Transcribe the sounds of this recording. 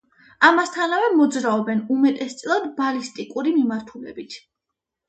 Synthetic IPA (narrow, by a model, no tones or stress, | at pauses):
amast̪ʰanavɛmɔd̪zɾaɔbɛnumɛt̪ʼɛst̪sʼilˠad̪balist̪ʼikʼuɾimimaɾt̪ʰulɛ̰bit̪ʰ